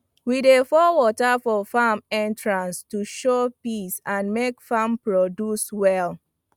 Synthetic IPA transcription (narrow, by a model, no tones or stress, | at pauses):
widefɔwɔtafɔfamɛ̃ntɹãnstuʃopisãnmekfampɹɔduswɛl